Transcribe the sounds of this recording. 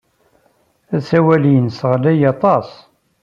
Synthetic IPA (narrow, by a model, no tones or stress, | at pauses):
æsæwæliənsəʁlæjɑt̪ˤɑs